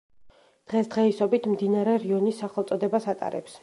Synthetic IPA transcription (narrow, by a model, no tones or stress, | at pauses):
d̪̥ʁɛsd̪ʁɛisɔbit̪ʰmd̪inaɾɛɾiɔnisːaχɛlˠt̪sʼɔd̪ɛbasat̪ʼa̰ɾɛ̰ps